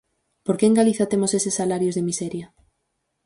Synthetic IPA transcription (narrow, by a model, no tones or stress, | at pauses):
poɾkeːŋɡaliθat̪emosesesːalaɾjozðemiseɾja